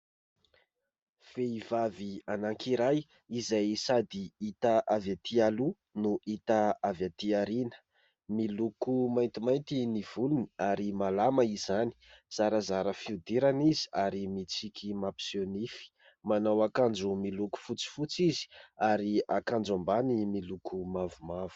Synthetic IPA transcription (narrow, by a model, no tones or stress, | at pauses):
v̥eivavianaŋkʰiɾaj | izajsad̪iit̪aʔavat̪ʰialu | nuʔit̪aavjat̪iaɾinə̥ | milukumajnt̪imajnt̪iniv̥uluniaɾimalamaizani̥z̥aɾəzaɾəfiud̪iɾanizi̥aɾimit͡sikʲʰimapi̥sonifi̥ | manawakand͡ʒumiluku̥fut͡si̥fut͡sizi̥aɾiakand͡ʒambanimilukʰumavumavu̥